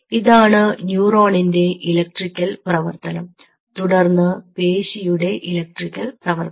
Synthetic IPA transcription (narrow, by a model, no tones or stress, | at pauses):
iðaːɳɨnjuːroːɳinde̞ʔilɐk̚ʈrikʲːɐlprɐʋɐrt̪ɐnɐm | t̪uɽɐrnːɨpe̞ːɕijuɽe̞ʔilɐk̚ʈrikʲːɐlprɐʋɐr